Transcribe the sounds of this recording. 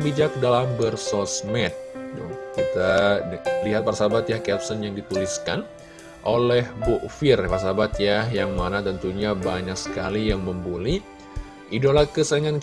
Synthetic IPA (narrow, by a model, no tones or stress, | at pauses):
bid͡ʒak̚dalambərsɔsmɛt̪̚dʊ̰ŋkit̪a | liɦat̪̚parsabat̪jakɛpsənjaŋdit̪uliskan | ʔolɛhbuʔfɪrparsabat̪jajaŋmanat̪ənt̪uɲabaɲaksə̥ka̰lijaŋməmbuli | ʔidolakəsəŋan